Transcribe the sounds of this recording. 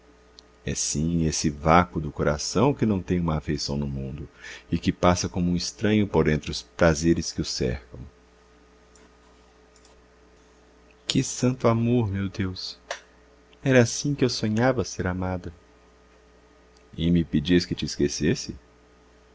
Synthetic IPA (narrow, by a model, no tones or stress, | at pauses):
ɛ̰sĩesɪvakʊd̪ʊkoɾasɐ̃w̃kɪnɐ̃w̃t̪ẽj̃ũmɐːfejsɐ̃w̃nʊmũnd̪ʊɪkɪpasɐkõmũɪst̪ɾɐ̃ɲʊpoɾẽnt̪ɾɪʊspɾazeɾɪskɪʊsɛ̰ɾkɐ̰̃w̃ | kɪsɐ̃nt̪ʊamoɾmewd̪ews | ɛɾɐasĩkɪewsõɲavɐseɾamad̪ɐ | ɪmɪped͡ʒiɐskɪt͡ʃɪːskesesɪ